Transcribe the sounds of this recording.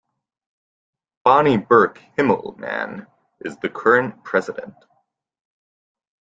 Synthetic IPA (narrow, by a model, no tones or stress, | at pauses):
b̥ɑnibɜ˞khɪ̃ml̩ˠmæ̰̃n | ʔɨzðɨkʰɜ˞ɨ̃npʰɹ̥ɛzɨɾɨ̰̃nt